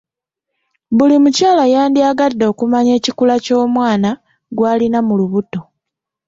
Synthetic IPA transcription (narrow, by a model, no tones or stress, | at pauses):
βulimucaːlajaːndiaɡadːo̞ːkumaɲe̞ːcikulaco̞ːmwaːna | ɡwaːlinamuluβuto̞